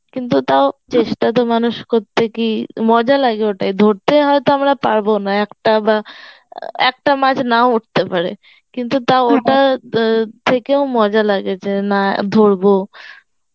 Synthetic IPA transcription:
kint̪ut̪aot͡ɕeʃʈat̪̬omanuʃkoɾt̪ʰːekimɔd͡ʑalaɡeoʈajd̪ʱoɾt̪eɦɔet̪oamɾapaɾbonaɛkʈaba | ɛ̰k̚ʈamãd͡ʑʰʱnaouʈ̚ʰt̪epaɾe | kint̪ut̪aoʈa | t̪ʰekeomɔd͡ʑalaɡet͡ɕʰenad̪ʱoɾbo

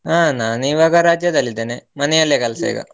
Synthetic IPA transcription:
aːnaːniːʋaːɡɐɾaːd͡ʒjɐd̪ɐlːid̪ɐnemɐnejɐljɐkɐlɐsḛːɡɐ̰

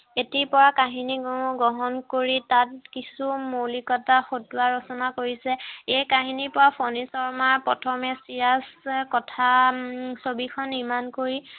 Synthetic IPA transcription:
etipɔɹakaɦiniɡɔŋʊ̃ɡɔɦɔnkoɹitat̚kisumolikɔtaxotuaɹɔsɔnakoɹisɛejkaɦinipɔɹapʰɔnisɔɹmaɹpɔtʰɔmɛsiɹaskɔtʰasobikʰɔnːiɹmankoɹi

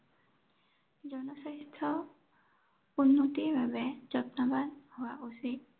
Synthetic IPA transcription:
zɔnɔsaɦitʰːɔ | unːotiɹbʱabɛzɔtnabanhʊwaʔusi

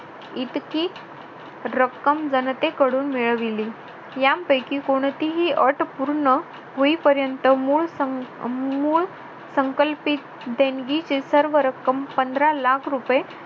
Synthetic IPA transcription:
it̪kiː | ɾəkːəmd͡zənət̪ekəɽuːnmiɭʋili | jampəjkiːkoɽ̃t̪iɦiːʔəʈpuɾɳə | ɦoipəɾjənt̪əmuɭ | muːɭ | səŋkəlpit̪̚ | d̪ẽŋɡit͡ɕisəɾʋəɾəkːəmpənd̪ɾalakʰɾupje

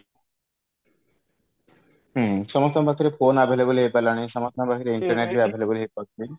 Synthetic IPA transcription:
ɦ̩ʃɔmɔst̪ʰɔbʱakʰiɾefʰonabʱeleboliɦejpalañiʃɔmɔst̪ʰɔbʱakʰiɾeiɳʈɔɾneʈbiabʱeleboliɦejpɔkli

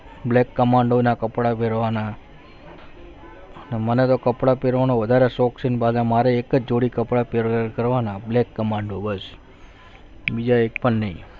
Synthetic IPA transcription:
blekːəmaɳɖonakəpɽapeɾʋana | ənemənet̪okəpɽapeɾʋanoʋəd̪ʱaɾesɔksinbalamaɾeːkəd͡ʒd͡ʒoɽikəpɽapekəɾʋanablekːəmaɳɖobəs | bid͡ʒaek̚pəɳnəĩ

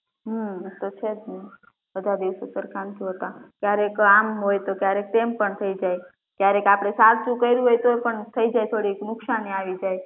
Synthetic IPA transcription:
ɦət̪ot͡ʃʰet̪ne | bəd̪ʱad̪iʋsosəɾkant̪ʰiɦət̪akjaɾekamɦojt̪okjaɾek̚t̪empəɳt̪ʰəid͡ʒaj | kjaɾekapɽ̃esaɾt͡ʃũkəiɾũɦojt̪oepəɳt̪ʰəid͡ʒajt̪ʰoɽiknʊksaniaʋid͡ʒaj

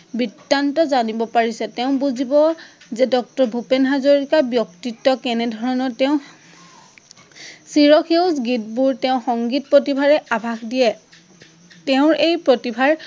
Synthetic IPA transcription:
bidantɔzanibɔpaɹisɛtɛʊ̃buzibɔ | zɛdɔk̚tɔɹbʱupenɦazoɹikabjɔktitːɔkɛnɛdʱɔɹɔnɔtɛʊ̃ | siɹɔkʰeʊsɡitbuɹtɛʊ̃xɔŋɡit̚pɹotibʱaɹɛʔabʱaxdijɛ | tɛʊ̃ɹejpɹotibʱaɹ

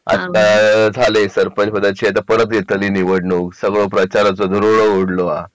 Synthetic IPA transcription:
a̰t̪ad͡zʱalesəɾpənt͡ɕpəd̪at͡ɕiat̪apəɾət̪̚ɡʱet̪əliːniʋəɽɳoksəɡɭopɾət͡ɕaɾat͡sɔd̪ʱəɾoɽoɡoɽloa

